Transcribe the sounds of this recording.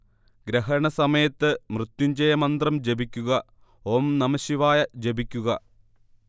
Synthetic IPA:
ɡɾɐɦɐɳɐsɐmɐjɐt̪ːɨmrɨt̪ːuɲd͡ʑɐjɐmɐnd̪rɐmd͡ʑebikʲːuɣɐ | oːmnɐmɐɕiʋaːjɐd͡ʑebikʲːuɣɐ

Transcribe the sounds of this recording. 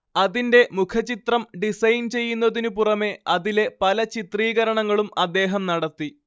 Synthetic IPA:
ɐðinde̞mukʰɐt͡ɕit̪rɐmɖisɐjnt͡ɕe̞jːunːɐðinupurɐme̞ɐðile̞pɐlɐt͡ɕit̪riːɣɐɾɐɳɐŋːɐɭumɐd̪ːe̞ːɦɐmnɐɽɐt̪ːi

